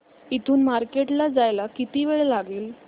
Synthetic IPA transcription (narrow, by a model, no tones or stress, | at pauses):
it̪ʰuːnmaɾkeʈlad͡zajlakit̪iːʋeɭelaɡiːl